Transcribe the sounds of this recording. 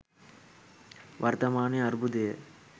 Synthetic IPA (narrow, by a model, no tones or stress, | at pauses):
ʋɐɾt̪ɐmaːniɐɾbud̪eː